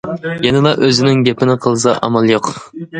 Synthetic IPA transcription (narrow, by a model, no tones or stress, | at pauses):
jenɪlˠɑʔøzɪnɪŋɡʲepʰɪnɪqʰəlˠɨs̬ɑʔɑ̰mɑlˠjoq